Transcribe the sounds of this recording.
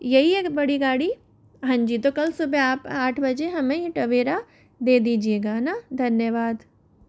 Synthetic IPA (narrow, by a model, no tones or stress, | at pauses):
jɐɦieːkbɐɽiɡaːɽi | ɦãːnd͡ʒit̪okɐlsʊbʱeaːpaːʈʰbɐd͡ʒeɦɐmẽiʈɐʋeːɾa | d̪eːd̪iːd͡ʒieːɡanad̪ʱɐnjəʋaːd̪